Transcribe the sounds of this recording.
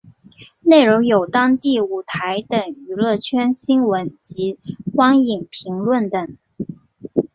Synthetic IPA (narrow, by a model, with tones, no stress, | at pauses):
ne˥˩ɪɻo˧˥ŋjo˨˩ʊt̪ɑ˥ŋt̪i˥˩u˨˩t̪ʰa˧˥ɪt̪ə˨˩ŋy˧˥lɤ˥˩t͡ɕʰɥɛ˥nɕi˥ŋwə˧˥nt͡ɕi˧˥xwɑ˥ŋi˨˩ŋpʰi˧˥ŋlwə˥˩nt̪ə˨˩ŋ